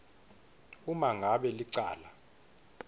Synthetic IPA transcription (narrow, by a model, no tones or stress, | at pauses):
umaŋɡʱaɓɛliǀa̰ːla